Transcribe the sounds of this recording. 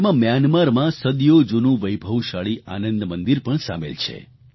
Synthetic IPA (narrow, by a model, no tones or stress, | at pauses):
mãmjanmaɾmãsəd̪jod͡ʒunũʋəjbʱəwʃaɭiʔanənd̪mənd̪iɾpəɳsa̰mḛlt͡ʃʰḛ